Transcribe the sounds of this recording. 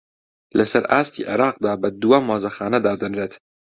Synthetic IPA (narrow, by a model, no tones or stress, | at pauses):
lɐsɐɾʔaːst̪ʰḭːʕɪ̰ɾɑːq̚d̪aːbɐd̪uwɐmwaːzɐxaːnɐd̪aːd̪ɨnɾeːt̪